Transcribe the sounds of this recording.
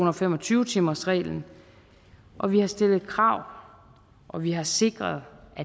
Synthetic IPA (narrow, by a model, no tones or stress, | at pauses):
unɐɒfem̰ɒ̽t͡sʰyːʊt͡sʰimɐsʁɛ̰ːln̩ | ʔɒ̽ʋihɑ̈sd̥e̝l̰ð̩ˠkʰʁɑ̈ʊ̰ | ʔɒ̽ʋiɦɑ̈se̝ɡ̥ʁɐðˠʔæ